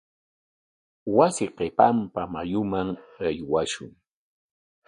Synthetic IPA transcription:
wasɪqepampamajʊmaŋajwaʃʊ̰ŋ

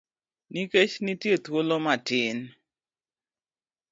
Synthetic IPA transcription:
niket͡ʃnitjet̪wolomatɪn

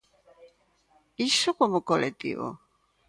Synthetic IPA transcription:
isokomokolet̪ḭβo̰

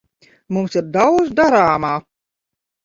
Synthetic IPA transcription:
mumsiɾd̪awd̪zd̪aɾaːmaː

